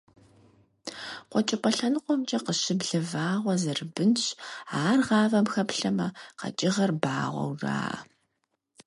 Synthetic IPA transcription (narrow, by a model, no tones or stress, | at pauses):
qʷɔt͡ʃʼɪpʷʼɐɬɐnɨqʷʼɔmt͡ʃʼɐqəʃɪbɮɐvaːʁʷɔzɐrɨbɨnɕaːrʁɑːvɐmxɐpɬɐmɐqɐ̰t͡ʃʼɪʁɐrbaːʁʷɔ̰wra̰ːɐ̰